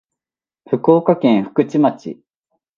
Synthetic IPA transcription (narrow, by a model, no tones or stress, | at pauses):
ɸɯ̟koːkakẽ̞ɰ̃ɸɯ̟̥kɯ̟t͡ɕimat͡ɕḭ